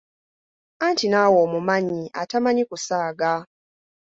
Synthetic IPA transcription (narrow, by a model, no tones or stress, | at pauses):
antinaːwoːmumaɲiʔa̰tamaɲikusaːɡa